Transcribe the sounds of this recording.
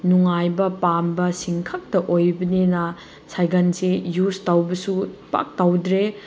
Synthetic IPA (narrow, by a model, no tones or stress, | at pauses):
nuŋajbɐpambɐsiŋkʰak̚tɐʔojbɐnenɐ | sajɡɐnsejustawbɐsupa̰k̚tawdɾe